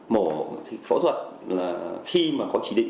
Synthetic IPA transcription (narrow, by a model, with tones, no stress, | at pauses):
mo˧˩˨fo̰˧˥t̪ʰwə˨˩t̚laː˨˩xi˧maː˨˩kɔ˨˦t͡ɕi˧˦ɗḭ˧˨ŋ